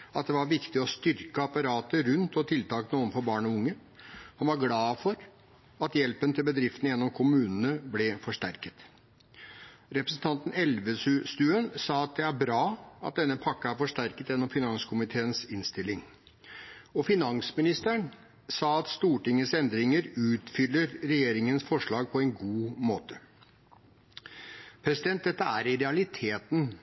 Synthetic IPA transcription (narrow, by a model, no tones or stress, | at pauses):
ɑt̪̚d̪ɛʋɑɾʋɪkt̪ɪɔst̪ʏɾkəɑpɑɾɑːt̪əɾʉnt̪ɔt̪ʰɪlt̪ɑːknuːənfɔɾbɑːɳɔʊŋːəhɑnʋɑɾɡlɑːfɔɾ | ɑt̪jɛlpənət̪ʰɪlbəd̪ɾɪft̪ənəjɛnːɔmkʰʊmʉːnənəblɛfɔʂʈæɾkət̪ | ɾɛpɾəsn̩t̪ʰɑnt̪n̩ɛlʋəsʉst̪ʉːənsɑːɑt̪̚d̪ɛæɾbɾɑːɑ̰t̪̚d̪ɛnːəpʰɑkːəæɾfɔʂʈæɾkət̪jɛnːɔmfɪnɑŋskʰʊmɪt̪ʰeːənsɪnst̪ɪlːɪŋ | ɔfɪnɑŋsmɪnɪst̪əɳ | sɑːɑt̪st̪uːʈɪŋːəsɛnd̪ɾɪŋəɾʉːt̪fʏlːəɾɾɛjeːɾɪŋənsfɔʂɭɑːɡ̚pʰɔɛnɡuːmoːt̪ʰə̥ | pʰɾɛsɪd̪ɛnt̪̚d̪ɛt̪ːəæ̰ːɾɪɾɛɑlɪt̪ʰeːt̪n̩